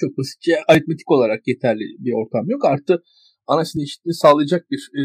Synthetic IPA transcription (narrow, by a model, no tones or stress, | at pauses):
t͡ʃʰo̞k̚b̪lˠasi̥cɛaɾit̪̚me̞t̪ʰi̥ko̞lˠaɾakje̞t̪ʰæɾlʲḭbio̞ɾt̪ʰamjo̞kaɾt̪ʰɯk | anasineʃi̥t̪inisaːlˠɯjad͡ʒak̚biɾ